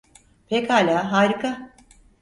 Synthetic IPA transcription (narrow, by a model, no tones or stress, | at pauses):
pʰɛkhaːlʲaːɦaːɾikʰa